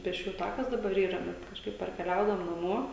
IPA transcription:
pʲeːsʲˈt͡ʃʲuːjʊ ˈtɑːkɐs dɐˈbɐr ˈiːrɐ ˈbʲɛt kɐʃˈkɐɪp pɐrʲkʲɛˈlʲɛʊdɐʋoːm nɐˈmuɔ

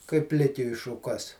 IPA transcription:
kɐɪp ˈpʲlʲɪkʲʊɪ ʃʊˈkɐs

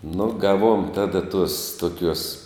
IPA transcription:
nʊ ˈɡɑːˌʋuɔm ˈtɑːdɐ tuɔs tuɔˈkʲuɔs

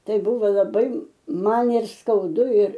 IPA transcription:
ˈtɐɪ ˈbʊʋoː lˠɐˈbɐɪ ˈmɐn ɪr skɐʊˈdʊ ɪr

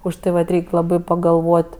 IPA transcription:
ʊʃ ˈtɐɪ ʋɐt ˈrʲɛɪkʲ ˈlˠɑːbɐɪ pɐɡɐlˠˈʋoːtʲ

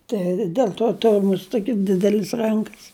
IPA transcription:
ˈtɐɪ ˈdʲɛlˠ toː ˈtʊrʲʊ ˈmʊst ˈtoːkʲɪ ˈdʲɪdʲɛlʲɪs ˈrɐŋkɐs

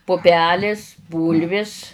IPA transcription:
pʊˈpʲæːlʲeːs ˈbuːlʲʋʲɪs

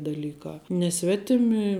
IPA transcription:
dɐˈlʲiːkɑː nʲɛ ˈsʲʋʲæːtʲɪmʲɪ

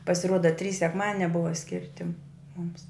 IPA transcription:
pɐsʲɪˈruɔdɐ tʲrʲiːs sʲɛkˈmɑːdʲɪnʲɛ ˈbʊʋɐ ˈsʲkʲɪrʲtʲɪ mʊms

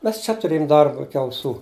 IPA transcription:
ˈmʲɛs t͡ʃʲɛ tʊˈrʲeːjʊm ˈdɐrbɐ ˈɪkʲɪ ɐʊˈsuː

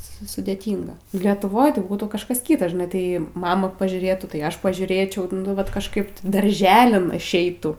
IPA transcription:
ˈsʊ sʊdʲɛˈtʲiːŋɡɐ lʲiɛtʊˈʋoːj tɐɪ ˈbuːtuː kɐʃˈkɐs ˈkʲiːtɐ ʒʲɪˈnɐɪ ˈtɐɪ ˈmɑːmɐ pɐʒʲuːˈrʲeːtʊ tɐɪ ˈɐʃ pɐʒʲuːˈrʲeːt͡ʃʲɛʊ nʊ ˈʋɐt kɐʃˈkɐɪp tʲɪ dɐrʲˈʒʲæːlʲɪn ɪʃʲˈɛɪtuː

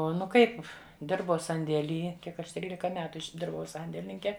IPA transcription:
ˈoː nʊ ˈkɐɪp ˈdʲɪrbɐʊ sɐnʲdʲeːˈlʲiː ˈkʲiɛk ˈɐʃ ˈtʲrʲiːlʲɪkɐ ˈmʲæːtʊ ɪʒʲˈdʲɪrbɐʊ ˈsɐnʲdʲeːlʲɪnʲɪŋʲkʲɛ

